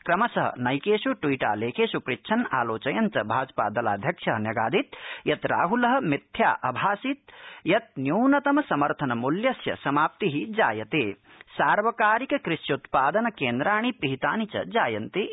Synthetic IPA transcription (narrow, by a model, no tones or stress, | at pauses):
kɾɐmɐsɐɦɐ̰nɐjkeːsuʈwiːʈa̰ːleːkʰeːsupɾitːʃʰɐna̰ːloːt͡ʃɐjɐnt͡ʃɐbʱaːd͡ʒpa̰ːd̪ɐla̰ːd̪ʱjɐkʂʰjɐɦnjɐɡaːd̪ʱit̪jɐt̪ɾa̰ːɦulɐɦɐ̆mit̪ʰjaːʔɐbʱaːsit̪̚jɐt̪̚njuːnɐt̪ɐmɐsɐmɐɾt̪ʰɐnɐmuljɐsjɐ̰sɐmaːp̚t̪iɦid͡ʒaːjɐt̪eː | saːɾʋɐkaːɾikɐkɾɪʃjɐut̪paːd̪ɐnɐkeːnd̪ɾaːɽ̃ipiɦit̪aːnit͡ʃɐ̰d͡ʒaːjɐnt̪e